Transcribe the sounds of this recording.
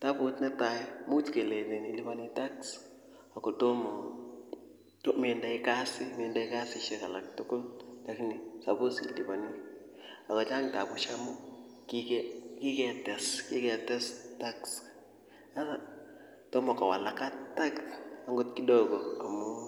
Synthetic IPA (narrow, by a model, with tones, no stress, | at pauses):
ta˦bʊ˦tnɛ˦ta˨mu˦tke˨le˨ne˨ni˨li˦ba˦ni˦ta˦ks | a˨kɔ˨to˦mɔ˨ | to˦me˨nda˨ɪ˦ka˦sɪ˦me˨nda˦i˦ka˦sɪ˦ʃɛ˦ka˨la˨k̚tʊ˦ko˦ltakni˨sa˨bo˦sili˨ba˨ni˦ | a˨kɔ˨t͡ʃa˦ŋta˨bʊ˨ʃa˦mʊ˦ | ki˦kɛki˦kɛ˨tɛ˨ski˦kɛ˨tɛ˦sta˦ks | a˦na˨ | to˦mɔ˨ka˨wa̰˨la˨ka˦ta˦ksa˦ŋɡo˦tki˦dɔ˨ɡɔ˨a˨mʊ˦